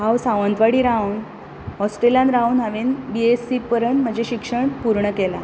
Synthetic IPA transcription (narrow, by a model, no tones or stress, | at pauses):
ɦawsaʋənt̪ʋaɽiːɾaun | ɔsʈɾelijãnɾaunɦaʋinbiesːipəɾəɳm̤əd͡ʑʱeɕikʂəɳpuɾɳəkela̰